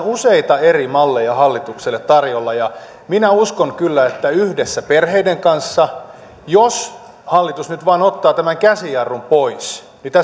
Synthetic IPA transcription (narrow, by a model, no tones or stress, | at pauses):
useit̪ɑerimɑlːejɑhɑlːit̪ukselːet̪t̪ɑrjolːɑjɑ | minæuskoŋkylːæet̪ːæyhdesːæperheideŋkɑnsːɑ | jos | hɑlːit̪usnyt̪ʋɑːnot̪ːɑːt̪æmæŋkæsijɑrːumpois | nit̪æ